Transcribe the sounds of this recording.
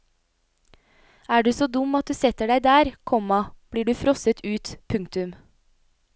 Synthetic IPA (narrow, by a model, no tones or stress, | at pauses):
æːɖʉːsoːd̪ʊmɑt̪̚d̪ʉːsɛt̪əɖæɪd̪æːɾkʰɔmɑb̥liːɖʉːfɾɔsət̪ʰʉːt̪pʰʉŋkt̪ʉm